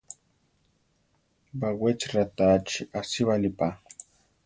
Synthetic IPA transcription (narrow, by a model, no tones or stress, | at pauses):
bawet͡ʃɾat̪at͡ʃiʔasiβalipa